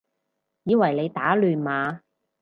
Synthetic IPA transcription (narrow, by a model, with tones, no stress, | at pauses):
jiː˨˧wɐ˨˩jle˨˧jt̪aː˨˥lyː˨nmaː˨˧